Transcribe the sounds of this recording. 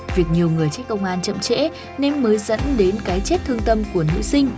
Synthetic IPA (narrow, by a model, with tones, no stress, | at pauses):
vi˨˩ək̚ɲi˨˩əwŋɨ˨˩əjt͡ɕe˦˥t̚kə˧wŋ͡mʔaː˧nt͡ɕə̰˧˨mt͡ɕɛ̰˧˥ | nɛ˧nməː˨˦jzə̰˧˥nɗe˨˦nkaː˨˦jt͡ɕe˦˥t̚t̪ʰɨ˧əŋt̪ə˧mku˧˩ənɨ̰˧˥sï˧ŋ̟